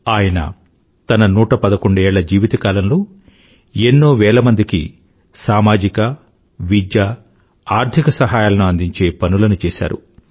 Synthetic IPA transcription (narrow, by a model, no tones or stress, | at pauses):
aːjɐnɐ̰ | t̪ɐnɐnuːʈɐpɐd̪ɐko̞ɳɖuɛːɭːɐd͡ʒiːʋit̪ɐkaːlɐnloː | enːo̞ːʋɛːɭɐmɐnd̪ikḭ | saːmaːd͡ʒikɐ | ʋid͡ʒ̪ja | aːɾt̪ʰikɐsɐɦaːjaːlɐnuɐnd̪iɲt͡ʃe̞ːpɐnulɐnut͡ʃɛːʃa̰ːɾṵ